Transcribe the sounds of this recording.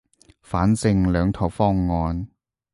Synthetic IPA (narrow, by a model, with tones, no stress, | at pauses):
faː˨˥nt͡sɪ˧ŋlœː˨˧ŋt̪ʰɔ˨˩wfɔː˥ŋːɔː˧n